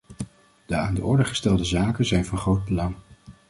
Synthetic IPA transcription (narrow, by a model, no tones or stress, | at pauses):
d̥əaːndəʔʊɹdəχə̥stɛlˠdəzaːkənzɛjnvɑnχrowd̚bəlɑŋ